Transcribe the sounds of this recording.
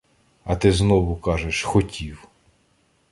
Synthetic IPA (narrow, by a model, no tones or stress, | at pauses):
ɐt̪ɪznɔʋʊkɑʒeʃxɔtʲiw